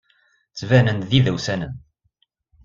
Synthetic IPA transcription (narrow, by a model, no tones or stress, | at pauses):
t͡sːvænənðiðæwsænən